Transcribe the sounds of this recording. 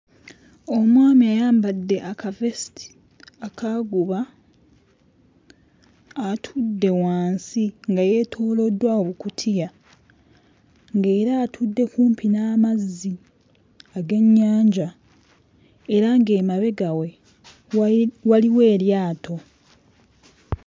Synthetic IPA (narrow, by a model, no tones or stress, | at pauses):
o̞mwaːmiajaːmbadːe̞ʔakavesitʰi̥ | akaɡuβa | tʰudːe̞waːnsiŋɡaje̞tʰoːlo̞dːwaoβukutʰija | ŋɡe̞ːɾaːtʰudːe̞kuːmpʰinaːmazːi | aɡe̞ɲːaːɲɟa | eɾaŋɡe̞ːmaβe̞ɡawe̞ | waliwe̞ːɾjaːtʰo̞